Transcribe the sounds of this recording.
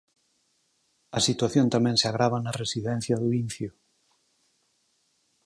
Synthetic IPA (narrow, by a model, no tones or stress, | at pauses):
ɐsit̪waθjont̪amɛ̃ŋseaɣ̞ɾaβanaresiðɛ̃n̟θjaðuinθju